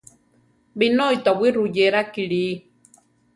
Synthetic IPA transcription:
binojt̪awiɾujeɾakiɺi

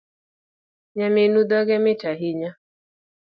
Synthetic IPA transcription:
ɲaminud̪ɔɡɛmɪtaɦiɲa

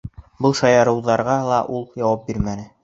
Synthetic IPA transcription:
bɤlˠʃɑjɑɾɤ̆wðɑɾʁɑlˠɑʔulˠjɑwɑp̚biɾmænɘ

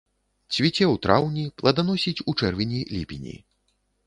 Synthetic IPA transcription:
t͡sʲvʲit͡sʲɛwt̪ɾawnʲiplˠɐd̪anɔsʲit͡sʲut͡ʂɛrvʲinʲilʲipʲinʲḭ

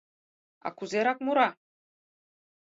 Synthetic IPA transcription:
ɑ̰kuzeɾɑkmuɾɑ

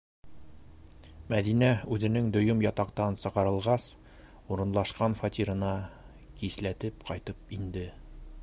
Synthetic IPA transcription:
mæðinæʉðɘ̆nɘŋd̪ŏjɵmjɒt̪ɑqt̪ɑnsɤ̆qɑ̆ɾɤ̆lˠʁɑs | uɾɤ̆nlˠɑʃqɑnfɐt̪ʲiɾɤ̆nɑ | kislæt̪ɘpqɒjt̪ɤp̚ind̪ɘ

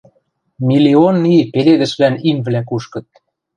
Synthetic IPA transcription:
mʲilʲionːipeled̪ɘ̆ʃβlænimvlæk̬uʃkɤ̆t̪̚

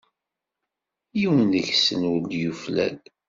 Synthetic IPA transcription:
jiwənəçsənəld̪juflæ̰l

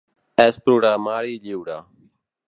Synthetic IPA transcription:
ɛːspɾuːɽaːmaːɽiːʎiːwɽaː

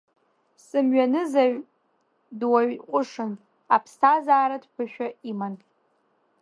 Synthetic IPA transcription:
sɨmɥanɨzaɥ | dwaɥqʷʼʊʂɨn | a̰pʰstʰazaːɾadpʷʰɨʃᶣaiman

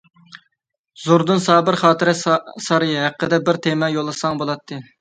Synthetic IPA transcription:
zuɾd̪ɨnsɑːbɨɾχɑːt̪ɨɾɛsɑɾɨɦæqːəd̪ɛbɪɾt̪ʰemɛjolˠːɨsɑŋbolˠɑt̪ʰːɨ

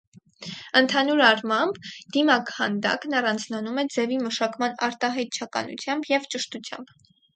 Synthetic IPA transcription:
ənt̪ʰɑnuɾɑrmɑmbd̪imɑkhɑ̰nd̪ɑ̰knɑrɑnd͡znɑnumɛd͡zɛviməʃɑkmɑnɑɾt̪ɑɦɑjt̪̚t͡ʃʰɑkɑ̰nṵt͡sʰjɑmbjɛvt͡ʃəʃt̪ut͡sʰjɑ̰mb

